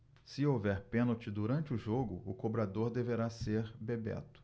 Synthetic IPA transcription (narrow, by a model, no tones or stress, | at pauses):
sɪowvɛɾpẽnowt͡ʃɪd̪uɾɐ̃nt͡ʃɪʊʒoɡʊʊkobɾad̪oɾd̪eveɾaseɾbebɛ̰t̪ʊ̥